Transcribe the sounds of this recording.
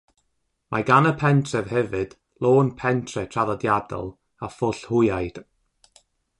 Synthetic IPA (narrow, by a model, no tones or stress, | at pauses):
mʔaɡanəpʰɛntʰrɛv̥hɛvɨd̥ | lˠoːnpʰɛntʰrɛtʰraðɔdjadɔ̰lˠ | afʊɬhʊjajd̥